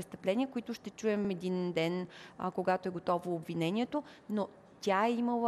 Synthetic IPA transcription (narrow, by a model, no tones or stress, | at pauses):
ɛst̪ɐplɛnʲiəkoit̪ʊʃt̪ɛt͡ʃuɛmɛd̪ind̪ɛn̰koɡat̪oɛɡot̪ɔvoːbvinɛnʲiɛt̪ono | t̪ʲaɛiməlˠə